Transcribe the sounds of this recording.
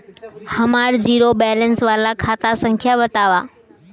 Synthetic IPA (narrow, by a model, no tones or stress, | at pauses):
həmaɾd͡ʒiɾobɛlənsʋalãkʰat̪asə̃ŋkʰjabət̪aʋa